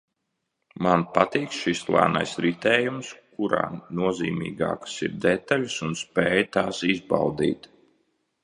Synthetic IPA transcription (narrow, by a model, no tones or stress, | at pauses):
manpat̪iːksʃislˠa̰ːna̰jsɾit̪ɛːjumskuɾa̰ːnuɔziːmḭːɡa̰ːksḭɾd̪ɛt̪alʲsunspɛːjt̪aːsizba̰wd̪ḭːt̪